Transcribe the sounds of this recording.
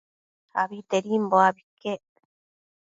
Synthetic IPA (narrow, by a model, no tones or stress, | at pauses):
a̰βit̪eɾimboaβike